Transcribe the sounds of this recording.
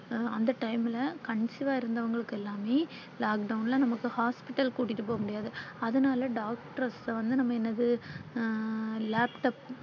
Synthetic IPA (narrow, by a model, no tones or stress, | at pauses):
ɐnd̪ɐʈɐɪmɪlɐkɐɳsɪʋaːɪɾɯnd̪ɐʋɐŋɡɐɭɯkːɯɛlːaːmeː | laːkɖɐʊnlãːnɐmɐkːɯhaːspɪʈːɐlkuːʈːɪʈːɯp̬ːoːɣɐmʊɽɪjaːðɯɐðɯnaːlɐɖaːkʈɐɾɐsʋɐnd̪ɯnɐmːɐɛnːɐðɯ | laːpʈɐp̚